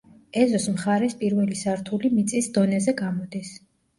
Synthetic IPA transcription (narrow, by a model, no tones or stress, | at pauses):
ɛzɔsmχaɾɛspʼiɾvɛlisaɾt̪ʰulimit̪sʼisd̪ɔnɛzɛɡamɔd̪is